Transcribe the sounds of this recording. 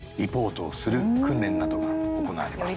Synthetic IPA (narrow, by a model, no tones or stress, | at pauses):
ipo̞ːt̪o̞ːsɨɾɯ̟kɯ̟̃nɾẽ̞nːad̪o̞ɡaoko̞na̰a̰ɾe̞mas